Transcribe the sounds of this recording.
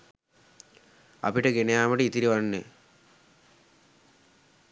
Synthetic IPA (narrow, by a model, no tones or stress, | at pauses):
a̰piʈəɡenejaːməʈiit̪iɾiʋanːḛ